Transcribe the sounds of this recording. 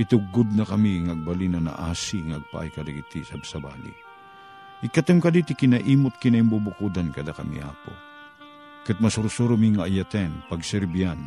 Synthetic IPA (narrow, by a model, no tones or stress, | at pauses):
ʔit̪ʊɡʊd̪̚nɐkɐmiŋaːɡ̚balinɐna̰ʔaːsiŋaːɡ̚pa̰ʔa̰jkɐd̪aɡit̪isabsɐba̰ːlḭ | ʔɪkɐt̪ɨmkad̪it̪ɪkɪnaʔiːmʊt̪̚kɪnaɪmbubʊkud̪ankɐd̪akɐmḭʔa̰ːpo̰ | kɨt̪̚mɐsʊɾsuɾʊmiŋaːjat̪ɛnpɐɡsɛɾbian